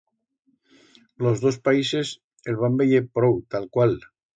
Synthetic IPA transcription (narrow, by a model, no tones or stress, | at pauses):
lozðospaises | elβ̞ambeʎepɾowt̪alkwal